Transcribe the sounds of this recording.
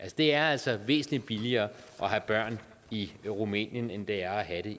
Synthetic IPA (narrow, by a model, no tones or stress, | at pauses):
ʔælsəd̥e̝æɐæl̰sɒ̽ʋe̝̰ːsn̩li̥b̥iliɐː | ʔɒ̽ɦæb̥ɶɐ̰n | iʁumɛ̰ːnjənend̥e̝æɐɒɦæɾ̥e̝